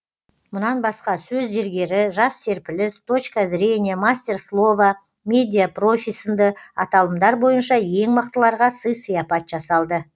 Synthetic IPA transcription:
mʊnɑnbɑsqɑsɵzːeɾɡʲe̞ɾɪʒɑsːe̞ɾpɪlɪst̪ʰo̞t͡ʃkazɾʲe̞nʲijamasʲtʲe̞rslˠo̞va | mʲe̞d̪ʲijapro̞fʲijsənd̪əɑt̪ɑlˠəmd̪ɑɾbo̞jənʃɑje̞ŋməq̚t̪əlˠɑɾʁɑsəjsəjɑpɑt̪ʒ̥ɑsɑlˠd̪ə

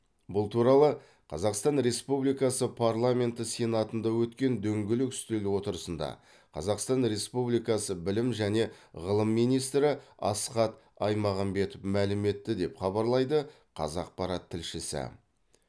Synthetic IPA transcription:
bʊlˠt̪ʰuɾɑlˠə | qʰɑzɑqst̪ɑnɾe̞spublijkɑsəpʰɑɾlˠamʲe̞nt̪əse̞nɑt̪ənd̪ɑwɵt̪kʲe̞nd̪ɵŋɡʲɪlɪkʏ̥st̪elwo̞t̪əɾəsənd̪ɑ̰ | qʰɑ̰zɑqst̪ɑnɾe̞spublijkɑsəbɪlɪmʒæne̞ʁəlˠəmːijnijst̪ɾɪɑ̰sqɑt̪ | ɑjmɑʁɑnbe̞t̪ʊfmælɪme̞t̪ːɪd̪e̞pχɑbɑɾlˠɑjd̪ə | qʰɑ̰zɑq̚pɑɾɑt̪ʰːɪlʃɪsɪ̰

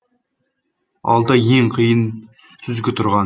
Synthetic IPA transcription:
ɑ̰lˠd̪ɑjeŋqʰijən | sʰʏzɡʲɪt̪ʰʊɾʁɑn

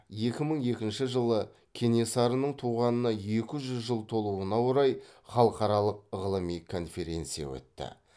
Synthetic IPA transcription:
je̞kʲɪməɴje̞kʲɪnʃɪʒəlˠə | kʲʰe̞nesɑɾənəɴt̪ʰuʁɑnənɑje̞kʲɪʒʏzʒəlˠt̪ʰo̞lˠuənɑwoɾɑjχɑlˠəqɑɾɑlˠəq̚əʁəlˠəmijkʰo̞nfe̞ɾʲe̞nt̪sija̰wɵ̰t̪ːɪ̰

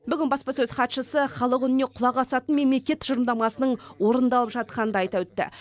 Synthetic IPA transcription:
bʏɡʲɪnbɑspɑsɵzχɑt̪ʃəsəχɑlˠəqʏnɪne̞qʰʊlˠɑʁɑsɑt̪ənme̞mle̞kʲe̞t̪ʒ̥əɾəmd̪ɑmɑsənəɴwo̞ɾənd̪ɑlˠəpʒɑt̪̚qɑnənd̪ɑɑjt̪ɑwɵt̪ːɪ̰

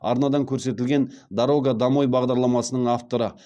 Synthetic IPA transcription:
ɑɾnɑd̪ɑŋkʲʰɵɾse̞t̪ɪlɡʲe̞nd̪ɑɾo̞ɡad̪ɑmo̞jbɑʁd̪ɑɾlˠɑmɑsənəɴaft̪o̞ɾə

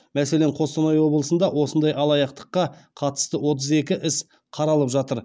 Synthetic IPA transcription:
mæse̞leɴqʰo̞st̪onojwo̞blˠəsənd̪ɑwo̞sənd̪ɑjɑlˠɑjɑqt̪ə̥qːɑqʰɑt̪ə̥st̪əwo̞t̪̬əze̞kʲɪʔɪs | qʰɑɾɑlˠəpʒɑt̪əɾ

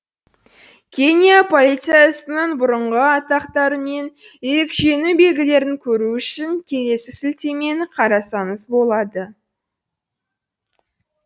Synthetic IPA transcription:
kʲʰe̞nʲijapʰo̞lʲijt̪siɨjasənəɴbʊɾəɴʁəɑt̪ɑqt̪ɑɾəme̞n | eɾɪkʒe̞nube̞lɡʲɪle̞ɾɪŋkʲʰɵɾuʏʃɪŋkʲʰe̞le̞sɪsɪlt̪e̞me̞ɴqʰɑɾɑsɑnəsbo̞lˠɑd̪ə

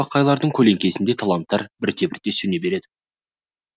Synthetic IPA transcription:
ɑqʰːɑjlˠɑɾd̪əɴkʲʰɵle̞ŋkʲe̞sɪnd̪e̞t̪ʰɑlˠɑnt̪ːɑɾbɪɾt̪ʰe̞bɪɾt̪ːe̞sʏnebe̞ɾe̞d̪ɪ

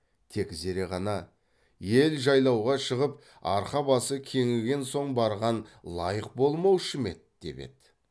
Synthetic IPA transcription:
t̪ʰe̞kze̞ɾe̞ʁɑnɑ | je̞lʒɑjlˠɑwʁɑʃəʁəp̚ | ɑ̰ɾqɑbɑsəkʲʰe̞ŋɪlɡʲe̞nso̞ɴbɑɾʁɑnlˠɑjəqbo̞lˠmɑwʃəme̞̰t̪̚d̪̥e̞̰be̞̰d̪

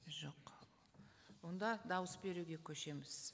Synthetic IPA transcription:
ʒo̞q | wo̞nd̪ɑd̪ɑwəsbe̞ɾuɡʲe̞kʲʰɵʃe̞mɪz̥

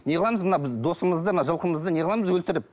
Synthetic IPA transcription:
ne̞ʁɑlˠɑməzmənɑbɪzd̪o̞səməzd̪əmənɑʒəlˠqəməzd̪əne̞ʁɑlˠɑməzwɵlt̪ɪɾɪp̚

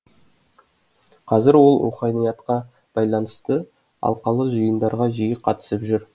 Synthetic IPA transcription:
qʰɑzɪɾwo̞lˠṵχɑnijɑt̪qɑ | b̥ɑjlˠɑnəst̪ə | ɑ̰lˠqɑlˠəʒəjənd̪ɑɾʁɑʒijɪqʰɑt̪ə̥səpʒʏɾ

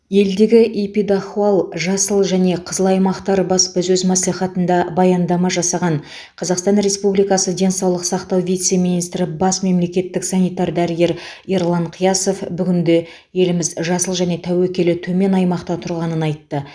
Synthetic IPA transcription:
je̞ld̪e̞ɡʲɪʔepid̪aχualˠʒɑsəlˠʒæne̞qʰəzəlˠɑjmɑqt̪ɑɾbɑsbɪzɵzmɑsliχɑt̪ənd̪ɑbɑjɑnd̪ɑmɑʒɑsɑʁɑɴ | qʰɑzɑqst̪ɑnɾe̞spublijkɑsəd̪ʲe̞nsɑwlˠəqsɑqt̪ɑwvijt̪se̞minijst̪ɾɪbɑsme̞mle̞kʲe̞t̪ːɪksɑnijt̪ɑɾd̪æɾɪɡʲe̞ɾiɾlˠɑɴqʰijɑso̞fbʏɡʲɪnd̪e̞ | je̞lɪmɪzʒɑsəlˠʒæne̞t̪ʰæwekʲe̞lɪt̪ʰɵme̞nɑjmɑqt̪ɑt̪ʰʊɾʁɑnənɑjt̪ːə

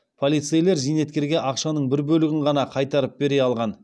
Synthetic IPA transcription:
pʰo̞lˠijt̪sɨjle̞ɾzijne̞t̪̚kʲe̞ɾɡʲe̞ʔɑqʃɑnəɴbɪɾbɵlɪɡʲɪɴʁɑnɑqʰɑjt̪ɑɾəp̚be̞ɾe̞ɑlˠʁɑn

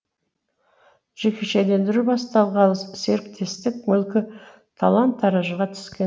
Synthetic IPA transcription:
ʒ̥ekʲʰeʃed̪e̞nd̪ɪɾubɑst̪ɑlˠʁɑlˠəsse̞ɾk̚t̪ʰe̞st̪ɪk̚mʏlkʲɪ | t̪ʰalˠɑnt̪ʰːɑɾɑʒəʁɑt̪ʰʏ̥skʲe

